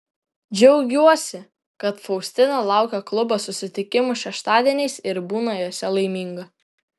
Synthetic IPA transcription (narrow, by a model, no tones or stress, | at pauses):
d͡ʒʲɛʊɡʲuɔsʲɪ | kɐt̪fɔʊsʲt̪ʲɪnɐlˠɑˑʊkʲɛklˠʊbosʊsʲɪt̪ʲɪkʲɪmʊʃʲɛʃt̪ɑːd̪ʲiɛnʲɛɪsɪɾbuːnɐjoːsʲɛlˠɐɪmʲiːŋɡɐ